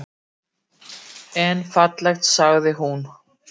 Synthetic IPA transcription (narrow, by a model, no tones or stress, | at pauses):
ɛnfat̪lajxt̪saɣðɪɦun